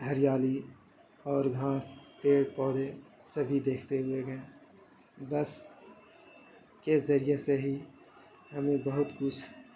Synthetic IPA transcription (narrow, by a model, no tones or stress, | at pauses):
ɦɐɾɪjaːli | ɔːɾɡʱaːspeːɽpɔːd̪e | sɐbʱid̪eːkʰt̪eɦʊeɡɛ̃ː | bɐs | kezɐɾijeseɦi | ɦɐmẽbɐɦʊt̪kʊt͡ʃʰ